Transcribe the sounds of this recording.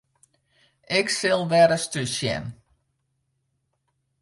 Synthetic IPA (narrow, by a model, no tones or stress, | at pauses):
ʔɪksɪlˠʋɛdəstysjɛ̰n